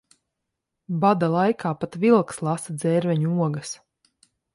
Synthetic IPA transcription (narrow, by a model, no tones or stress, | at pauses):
bad̪alˠajkʰaːpat̪vilˠkslˠasad̪zɛːɾvɛɲuuɔɡɐs